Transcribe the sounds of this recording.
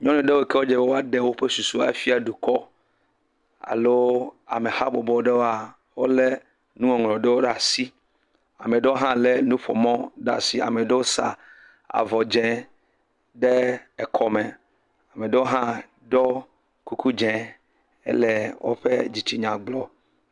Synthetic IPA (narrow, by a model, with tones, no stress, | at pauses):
ɲɔ̃˦nɛ̃˨ɖe˦wo˦ke˦wo˦d͡ʒe˨e˦wo˦a˦ɖe˦wo˦ɸe˦su˨su˦a̰˨˦fi˦a˨ɖu˨kɔ˦ | a̰˨lo˦a̰˨me˨ha˦bɔ˨bɔ˨˦ɖe˦wo˦a˨ | wo˦le˦ | nũ˦ɔ̃˨ŋlɔ̃˨ɖe˦wo˦ɖa˨si˦ | a˨me˨ɖe˦wo˦ɦã˦le˦nũ˦ɸɔ̰˨mɔ̃˦ɖa̰˦˨si˦a̰˨me˨ɖe˦wo˦sa̰˨ | a̰˨vɔ˨d͡ʒɛ̃˨˦ | ɖe˦ɛ˨kʰɔ˨mɛ̃˨ | a˨me˨ɖe˦wo˦ɦã˦ | ɖɔ˦ | ku˦ku˦d͡ʒɛ̃˨ | ḛ˦lɛ˨wʔo̰˦ɸḛ˦d͡ʑi˨t͡ɕi˦ɲã˨ɡ͡blɔ˨